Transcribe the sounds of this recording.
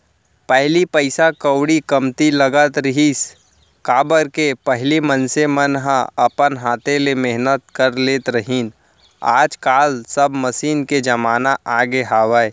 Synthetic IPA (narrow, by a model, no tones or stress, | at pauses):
pɛɦlipəɪsakəwɽikəmt̪iləɡət̪ɾiɦiːs | kaːbəɾkepəɦlimənsemənɦãəpənɦaːt̪elemeɦnət̪̚kəɾleːt̪ɾəɦiːn | a̰ːd͡ʒkaːlsəbməsiːnked͡ʒɐmaːnaʔaːɡeɦaːwəe